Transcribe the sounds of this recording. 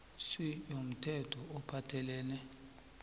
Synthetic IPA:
sijom̩tʰɛtʰɔɔpʰatʰɛlɛːnɛ

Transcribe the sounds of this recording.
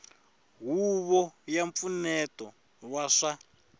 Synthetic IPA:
ɦuβɔjaɱp̪funɛtɔ | waʂa

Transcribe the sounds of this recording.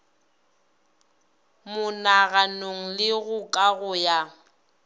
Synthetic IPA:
mʊnaɣanoŋ̩lɪɣʊkʼaɣʊja

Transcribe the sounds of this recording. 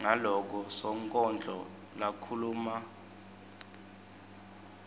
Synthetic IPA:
ŋalɔk̬ɔsɔŋkʼɔnd͡ɮʱɔ | lakʰuluːma

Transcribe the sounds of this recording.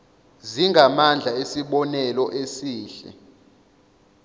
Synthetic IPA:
ziŋɡʱamand͡ɮʱaesiɓɔnɛlɔʔesiːɬɛ̰

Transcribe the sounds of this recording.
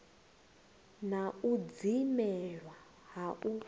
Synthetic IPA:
naud͡zimɛɺwa | ɦaʔu

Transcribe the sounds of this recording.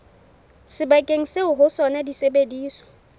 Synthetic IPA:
sɪbakʼeŋ̩seʊɦʊsɔnadisebediːswɔ̥

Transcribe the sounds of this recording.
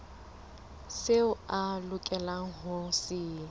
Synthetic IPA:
seʊalʊkʼɛlaŋ̩ɦʊsɪː

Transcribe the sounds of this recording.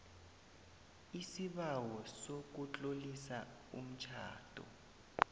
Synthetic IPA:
isiɓawɔsok̬ut͡ɬʼolisa | ṵm̩t͡ʃʰa̰ːtʼɔ̰

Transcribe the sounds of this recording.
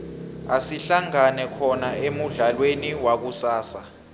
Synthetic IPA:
asiɬaŋanɛkʰɔnaemuɮalweniwak̬usaːsa

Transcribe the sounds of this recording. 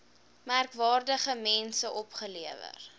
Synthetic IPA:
mærkvɑːrdəχəmɛnsəʔɔpχəliəvə̰r

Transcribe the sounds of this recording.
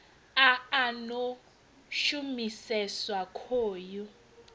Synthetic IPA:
aano | ʃumisɛswakʰoːjɔ

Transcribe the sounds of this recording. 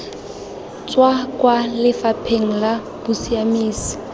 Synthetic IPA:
t͡sʼwakʼwalɪfapʰeŋ̩la | b̥ʊsiamiːsi̥

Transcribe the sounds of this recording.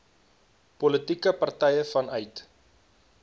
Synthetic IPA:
pɔlətikəpɐrtɛjəfɐnœɥt

